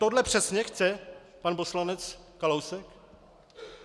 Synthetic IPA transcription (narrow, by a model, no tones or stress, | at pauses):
t̪odlɛpr̝̥ɛsɲɛxt͡sɛ | panposlanɛt͡s | kalowsɛk